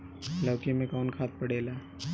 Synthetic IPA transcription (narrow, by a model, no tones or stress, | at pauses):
ləːkemẽkɔːnkʰaːt̪̚pɐɽeːlaː